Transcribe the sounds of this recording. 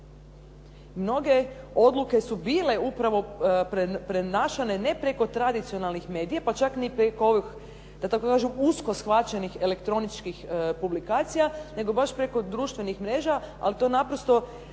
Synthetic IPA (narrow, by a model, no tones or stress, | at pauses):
mno̞ɡe̞o̞d̪lˠuke̞subiːle̞upɾaʋo̞ppɾenaːʃane̞ne̞pɾeko̞t̪ɾad̪it̪sionalˠnixme̞ːd̪ijapat͡ʃaknipɾekooʋix | d̪̥at̪akokaːʒemusko̞sxʋat͡ʃenixe̞le̞kt̪ɾo̞nit͡ʃkixpublikaːt̪sijane̞ɡo̞baʃpɾe̞ko̞d̪ɾuʃt̪ʋe̞nixmɾe̞ːʒaa̰lit̪o̞napɾost̪o̞